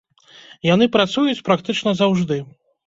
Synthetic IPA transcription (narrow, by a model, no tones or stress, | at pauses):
jan̪ɨpɾat̪sujut͡sʲpɾakt̪ɨt͡ʂnɐzawʐd̪ɨ